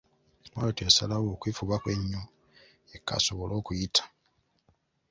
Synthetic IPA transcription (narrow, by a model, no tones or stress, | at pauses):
walotesalawoːkwiːfuβakwe̞ɲːo | ekːa̰so̞βolo̞ːkujitʰḁ